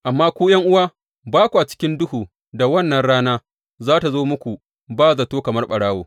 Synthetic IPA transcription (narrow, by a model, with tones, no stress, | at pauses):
ʔa˨mːaː˦kʷuː˦jɐ˦ŋʔʊ˦waː˦ | baː˦kʷu˨ʔa˨t͡ʃɪ̥˦kʲɪ˦ndʊ˦huː˨ | da˨wɐ˦˨nːɐ˨nɽaː˦naː˦ | zaː˦ta˨zoː˦mʊ˦kʷu˨ | baː˦zɐ˨toː˦kɐ˨mɐ˦rɓɐ˨ɽaː˦woː˨